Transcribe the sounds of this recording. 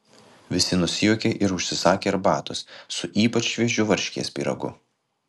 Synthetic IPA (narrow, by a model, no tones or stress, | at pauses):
ʋʲɪsʲɪnʊsʲɪjuːkʲeʔɪɾʊʃʲsʲɪsɑːkʲeːɐɾbɑːt̪ʊssʊʔiːpɐt͡ʃʲːʋʲiɛʒʲʊʋɐɾʲʃʲkʲḭɛspʲḭːɾɐ̰ɡʊ̰